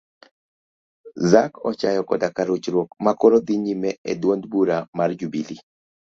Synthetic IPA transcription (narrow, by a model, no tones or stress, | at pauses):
zakɔt͡ʃajɔkɔdakaɾot͡ʃɾwokmakɔɾod̪iɲimɛɛdwondbuɾamard͡ʒubili